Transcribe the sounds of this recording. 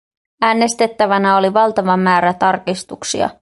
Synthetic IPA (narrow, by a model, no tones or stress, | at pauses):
æːnːest̪e̞t̪ːæʋænæo̞liʋɑlt̪ɑʋɑmæːɾæt̪ɑrkist̪uksḭɑ̰